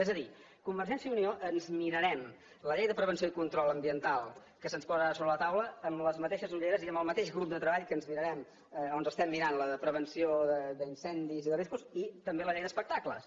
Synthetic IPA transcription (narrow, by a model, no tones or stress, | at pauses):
ɛzəði | kumbəɾʒɛnsjəunioʔənzmiɾəɾɛm | ləʎejðəpɾəβənsioikunt̪ɾɔlˠəmbiənt̪alˠ | kəsənspɔzəasoβɾələt̪awləəmləzmət̪eʃəzuʎeɾəziəmbəlˠmət̪eʒɣɾup̚d̪ət̪ɾəβaʎkənzmiɾəɾɛm | onzəst̪ɛmːiɾanləpɾəβ̞ənsioðəd̪əinsɛnd̪iziðəriskuzit̪əmbeləʎejðəspək̚t̪aklə̰s